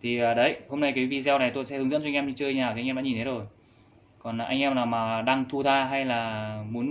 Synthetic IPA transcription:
t̪ʰi˨˩ʔəː˨˩ɗə˨˦jho˧mna˧jkaː˨˦jvi˧˩zɛ˧wna˨˩jt̪o˧˨jsɛ̰˧˥hŋz̰nt͡ɕɔ˧ŋʔɛ˧mi˧t͡ɕɨə˧ŋɲnaː˨˩wŋʔɛ˧ɗ̰aː˧˥ɲi˨˩nt̪e˨˦zo˨˩j | kɔ˨˩nː˨˩ʔa˧jŋʔɛ˧mnaː˨˩wmaː˨˩ɗaː˧ŋt̪ʰu˧t̪ʰaː˧ɦa˧jlaː˨˩mu˨˦n

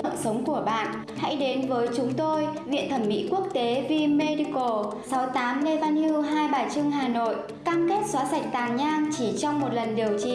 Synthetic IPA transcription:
ə̰˧˨msə˨˦wŋ͡mku˧˩əɓa̰ː˧˨nʔ | ha̰˧˥jɗe˨˦nvəː˨˦jt͡ɕʊ˨˦ŋ͡mt̪o˧jvḭ˧˨ənt̪ʰə˧˩mːḭ˧˥ku˦˥ək̚t̪e˨˦vi˧me˧ɗi˧ko˨˩ | sa˨˦wt̪aː˨˦mle˧vaː˧nhi˧ɦaː˧jɓaː˨˩t͡ɕɨ˧əŋɦaː˨˩no̰˧˨j | kaː˧mke˦˥t̚swaː˨˦sa˨˩jk̟̚t̪aː˨˩ŋɲaː˧ŋt͡ɕi˧˩t͡ɕɔ˧wŋ͡mmo˨˩t̚lə˨˩nɗi˨˩əwt͡ɕḭ˧˩

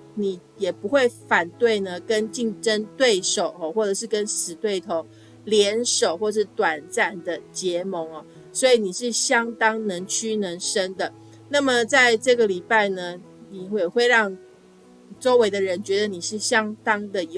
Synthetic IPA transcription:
ni˨˩ | jɛ˨˩pu˧˥xwe˥˩ɪfa˨˩nt̪we˥˩ɪnə˨kə˦nt͡ɕi˥˩ŋʈ͡ʂə˦nt̪we˥˩ɪʂo˨˩ʊɔ˨˩xwɔ˥˩ʈ͡ʂɤ˨˩ʂɻ̩˥˩kə˦˥nʂɻ̩˨˦t̪we˥˩ɪt̪ʰo˧˥ŋ | ljɛ˧˥nʂo˨˩ʊxwɔ˥˧˨ʂɻ̩˥˩t̪wa˨˩nt͡sa˥˩nd̪ə˨t͡ɕjɛ˧˥˦mo˧˥ŋɐ˨ | swɔ˧˥i˨˩ni˨˩ʂɻ̩˥˩ɕjɑ˥ŋt̪ɑ˥ŋnə˧˥ŋt͡ɕʰy˥˩nə˧˥ŋʂə˥nd̪ə˨ | na˥˩mə˨t͡sa˥˧ɪʈ͡ʂɤ˥˩ɡə˨li˨˩pa˥˩ɪnə˩ | ni˨˩ɛ˨˩xwe˥˧ɪɻɑ˥˧ŋ | ʈ͡ʂo˥ʊwe˧˥ɪd̪ə˨ɻə˧˦nt͡ɕɥɛ˧˥d̪ə˧ni˨˩ʂɻ̩˥˩ɕjɑ˥ŋt̪ɑ˥ŋd̪ə˨j

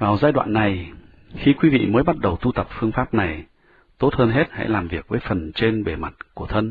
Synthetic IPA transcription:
vaː˨˩wzaː˧jɗwa̰ː˧˨nːa˨˩j | xi˧kwi˨˦vḭ˧˨məː˨˦jɓa˦˥t̚ɗə˨˩wt̪u˧t̪ə˨˩p̚fɨ˧əŋfaː˦˥p̚na˨˩j | t̪o˦˥t̚həː˧nɦe˦˥t̚ha̰˧˥laː˨˩mvi˨˩ək̚vəː˨˦jfə˨˩nt͡ɕe˧nɓe˧˩ma˨˩t̚ku˧˩ət̪ʰə˧n

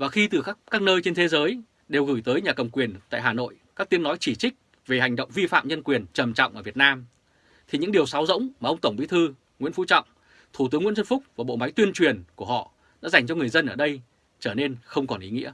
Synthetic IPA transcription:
vaː˨˩xi˧t̪ɨ˨˩˦kaː˦˥k̚nəː˧jt͡ɕe˧nt̪ʰe˨˦zəː˨˦j | ɗe˨˩wɣɨ˧˩jt̪əː˨˦jɲaː˨˩kə˨˩ŋ͡mkwi˨˩ənt̪a̰ː˧˨jɦaː˨˩no̰˧˨jkaː˦˥k̚t̪i˨˦əŋnɔ˨˦jt͡ɕi˧˩t͡ɕï˦˥k̚ | ve˨˩ha˨˩jŋ̟ɗə̰˧˨wŋ͡mvi˧fa̰ː˧˨mɲə˧nkwi˨˩ənt͡ɕə˨˩mt͡ɕɔ̰˧˨wŋ͡mʔəː˧˩vi˨˩ət̚naː˧m | t̪ʰi˨˩ɲɨ̰˧˥ŋɗi˨˩əwsaː˨˦wzə̰˧˥wŋ͡mmaː˨˩ʔə˧wŋ͡mt̪ə˧˩wŋ͡mɓḭ˨˦t̪ʰɨ˧ | ŋwḭ˧˥nfṵ˧˥t͡ɕɔ̰˧˨wŋ͡m | t̪ʰu˧˩t̪ɨ˨˦əŋw̰zə˧nfʊ˦˥k͡p̚vaː˨˩ɓo̰˧˨ma˨˦jt̪wi˧ənt͡ɕwi˨˩ənku˧˩əhɔ̰˧˨ | ɗa̰ː˧˥za˨˩jŋ̟t͡ɕɔ˧ŋɨ˨˩əjzə˧nʔəː˧˩ɗə˧j | t͡ɕəː˧˩ne˧nxə˧wŋ͡mkɔ˨˩nʔi˨˦ŋḭ˧˥ə

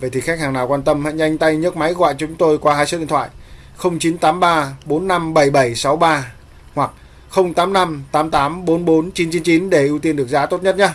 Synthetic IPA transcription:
ve˨˩t̪ʰi˨˩xa˦˥k̚haː˨˩ŋnaː˨˩wkwaː˧nt̪ə˧mhḛ˧˨jŋza˧jŋ̟t̪a˧jɲə˦˥t̚ma˨˦jɣɔ̰˧˨jt͡ɕɔʊ˨˦ŋ͡mt̪o˧jkwaː˧haː˧jsɨ̰˧˥ɗḭ˧˨t̪wa̰ː˧˨j | xə˧wŋ͡mt͡ɕi˨˦nt̪aː˨˦mɓaː˧ɓo˨˦nːa˧mɓə˧˩jɓə˧˩jsa˨˦wɓaː˧ | hwa˨˩k̚ | xə˧wŋ͡mt̪aː˨˦mna˧mt̪aː˨˦mt̪aː˨˦mɓo˨˦nɓo˨˦nt͡ɕi˨˦nt͡ɕi˨˦nt͡ɕi˨˦nɗe˧˩ʔi˧wt̪i˧nɗɨ˨˩ək̚zaː˨˦t̪o˦˥t̚ɲə˦˥t̚ɲa˨˦

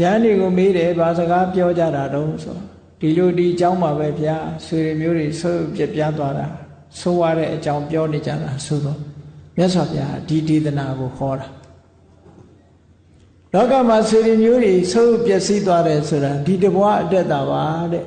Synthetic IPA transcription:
jã˦nde˨ɣo˨me˦ɾɛ˨ba˨zə˨ɡa˦pjɔ˦d͡ʑa̰˦˨ɾa˨ɾo˦ʊ̃sʰo̰˨ | d̥i˨lo˨di˨ʔət͡ɕã˦ʊ̃ma˨βɛ˦pʰəja˦swe˨ɾe˨mjo˦de˨so˦u˦˨pjɛ˦˨pja˦t̪̬wa˦ɾa˨ | so˦wa˦ɾɛ̰˦˨ʔət͡ɕã˦ʊ̃mpjɔ˦ne˨d͡ʑa̰˦˨d̪a˨so˨d̪ɔ˦˨mja˦ʔswa˨pʰja˦a̰˦˨di˨t̪e˨t̪əna˨ɡo˨hʰɔ˨ɾa˨ | lɔ˦ka˨m̥a˨swe˨ɾe˨mjo˦d̪e˨so˦jo˦˨pjɛ˦ʔ̚si˦t̪̬wa˦ɾɛ˨sʰo˨ɾa˨di˨dəbwa̰˦ʔətɛ˦t̪̚ːa˨ba˨˦ɾɛ˨ʔ

